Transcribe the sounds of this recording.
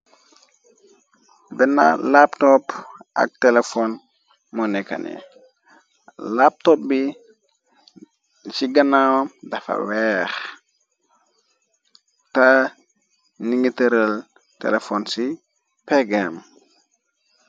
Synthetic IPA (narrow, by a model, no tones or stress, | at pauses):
bɛna̰laptɔpʔa̰k̚tɛlɛfɔn | mɔnɛka̰nɛ̰ | lap̚tɔp̚bi | siɡanawamdafa̰wɛɾ | ta | niŋitəɾəl | tɛ̰lɛfɔnsi | pɛɡɛm